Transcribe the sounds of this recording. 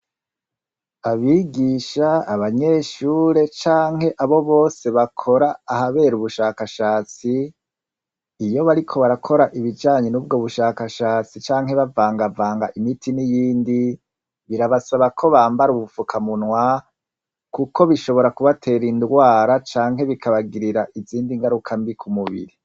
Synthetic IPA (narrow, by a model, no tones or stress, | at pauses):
aβiɡiʃaːβaɲe̞ːʃuːɾe̞t͡ʃaːŋhe̞ʔaβo̞βo̞ːse̞βakʰo̞ɾaːhaβe̞ːɾuβuʃaːkaʃaːt͡si | jo̞βaɾikʰo̞βaɾakʰo̞ɾaʔiβid͡ʒaːɲenuːbɡo̞ːβuʃaːkaʃaːt͡sit͡ʃaːŋɦhe̞βavaːŋɡavaːŋɡaʔimitʰinijiːndi | βiɾaβasaβakʰo̞βaːmbaɾuβufukʰamunwa | kuko̞βiʃo̞βo̞ɾakuβatʰe̞ɾindɡwaːɾat͡ʃaːŋɦe̞βikʰaβaɡiɾiɾaʔiziːndiŋɡaɾukʰambikʰumuβḭɾi